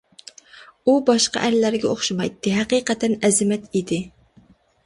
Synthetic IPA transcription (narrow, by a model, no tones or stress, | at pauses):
ubɑʃqɑ̰ʔæɾlæɾɡʲɛoχʃɑmɑjt̪ʰːɪɦæqiqɛt̪ʰɛnɛzɪmɛt̪id̪ɪ